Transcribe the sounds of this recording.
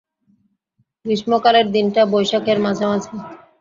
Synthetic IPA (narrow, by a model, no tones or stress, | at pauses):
ɡɾiʃmokaɾeɾd̪inʈabojʃakeɾmad͡ʑʱamat͡ɕʰe